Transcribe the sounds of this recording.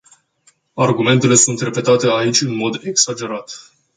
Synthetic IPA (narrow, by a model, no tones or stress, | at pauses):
arɡume̞nt̪e̞le̞sunt̪re̞pe̞t̪at̪e̞ait͡ʃʲɨnmo̞d̪e̞ksad͡ʒe̞ɾat̪